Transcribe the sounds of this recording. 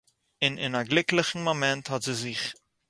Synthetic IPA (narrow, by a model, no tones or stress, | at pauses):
ɪnɪ̰naɡlɪkləχn̩momɛnthɔtz̥izɪχ